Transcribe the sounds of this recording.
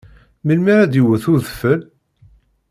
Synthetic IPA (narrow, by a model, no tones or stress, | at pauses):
milmiɾæd̪iwəθʊðəfəl